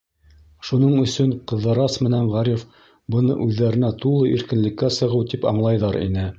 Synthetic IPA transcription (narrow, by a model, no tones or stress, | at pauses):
ʃunɤɴɵ̆sɵɴqɤ̆ðːɤ̆ɾɑsmɘ̆næɴʁɑɾʲif | bɤ̆nɤ̰ʔʉðːæɾɘ̆næt̪ulˠɤʔiɾkɘ̆nlɘ̆kːæsɤ̆ʁɤwt̪ipɑ̰ɴlˠɑjðɑɾḭnɘ